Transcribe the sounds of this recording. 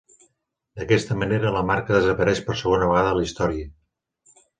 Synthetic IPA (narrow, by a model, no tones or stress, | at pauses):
d̪əkɛst̪əməneɾələmaɾkəðəzəpəɾɛʃpəɾsəɣ̞onəβəɣaðəlist̪ɔɾiə